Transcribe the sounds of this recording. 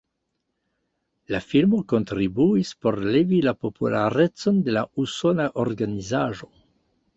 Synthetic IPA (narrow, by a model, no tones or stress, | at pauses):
lafilmo̞ko̞ntɾibuispo̞ɾlevilapopulaɾet͡so̞nde̞lausonaʔoɾɡanizaʒo